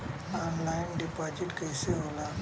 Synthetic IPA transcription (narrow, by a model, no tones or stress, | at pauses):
aːmlaːɪnɖipaːd͡ʒɪʈkəɪseɦoːlaː